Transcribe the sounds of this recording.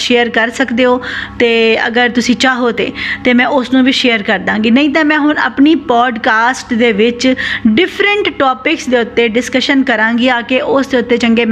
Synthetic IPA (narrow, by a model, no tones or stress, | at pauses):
ʃeːəɾkəɾsəkd̪eːoːt̪eːə̰ɡəɾt̪ʊsĩːt͡ʃaːɦoːt̪ḛːt̪eːmɛ̃ːʔʊsnũːʋiːʃeːəɾkəɾd̪ãːŋɡiːnəĩːt̪̬ãːmɛ̃ːɦʊɳə̰pniːpɔːɖkaːsʈd̪eːʋɪt͡ʃɖɪpʰɾəɳʈːɔːpɪksd̪eːʊt̪ːeːɖɪskəʃənkəɾãːɡiaːkeʔʊsd̪eːʊt̪ːeːt͡ʃəŋɡeːm